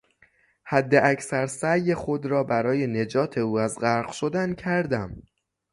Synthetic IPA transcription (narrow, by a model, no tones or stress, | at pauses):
hæd̪ːeʔæcsæɾsæjːe̞xo̞d̪ɾɒːbæɾɒːje̞ne̞d͡ʒɒːt̪ʰe̞uːæzɢæɾɢʃo̞d̪æncʰæɾd̪æm